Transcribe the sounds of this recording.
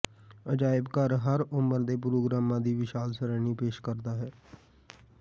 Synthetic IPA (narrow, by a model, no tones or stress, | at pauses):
əd͡ʒaːɪbkəɾɦəɾʊməɾd̪eːp̬ɾoːɡɾaːmːãːd̪iːʋɪʃaːlsəɾɛːniːpeːʃkəɾd̪aːɦɛː